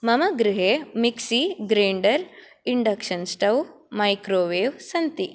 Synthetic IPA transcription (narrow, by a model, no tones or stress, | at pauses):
mɐmɐɡɾɪɦeːmiksiɡɾeːɳɖɐɾ | iɳɖɐkʂɐnsʈɐw | mɐjkɾoːʋeːʋsɐnt̪i